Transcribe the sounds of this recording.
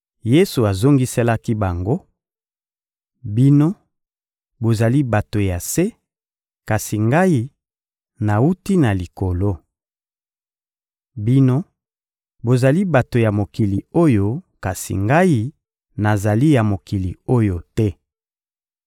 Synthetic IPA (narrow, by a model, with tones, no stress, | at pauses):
je˦su˨a˨zo˦ŋɡi˦sɛ˦la˦ki˦ba˨ŋɡo˦ | bi˦no˦ | bo˨za˨li˦ba˨to˨ja˨se˦ | ka˨si˨ŋɡa˦ji˦ | na˨u˦ti˦na˨li˨ko˨lo˦ | bi˦no˦ | bo˨za˨li˦ba˨to˨ja˨mo˨ki˨li˨o˦jo˦ka˨sḭ˨ŋɡa˦ji˦ | na˨za˨li˦ja˨mo˨ki˨li˨o˦jo˨tɛ˦